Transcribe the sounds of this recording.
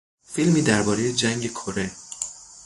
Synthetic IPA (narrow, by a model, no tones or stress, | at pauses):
filmiːd̪æɾbɒːɾe̞je̞d͡ʒæŋɡe̞kʰoɾe